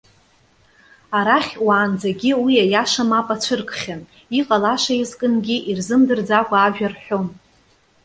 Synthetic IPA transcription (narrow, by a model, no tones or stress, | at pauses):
aɾaχʲwaːnd͡zaɡʲiwijajaʂamapʼat͡ɕʷʰɨrkʰʼχʲan | iqʼalaʂaizkʼɨnɡʲiʔirzɨmdɨrd͡zakʷʰʼaːʒᶣarħʷᶣom